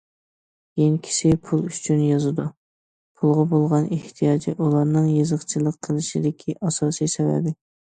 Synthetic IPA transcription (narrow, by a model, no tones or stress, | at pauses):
jeŋkʲʰi̥sɪpʰulˠyt͡ʃʰynjɑzɨd̪u | pʰulˠʁɑbolˠʁɑneht̪ʰijɑːd͡ʒiʔulˠɑɾnɨŋjezəχt͡ʃʰɪlˠəqʰːəlˠɨʃid̪ɪkʲʰiʔɑsɑːsijsɛvæ̰bɪ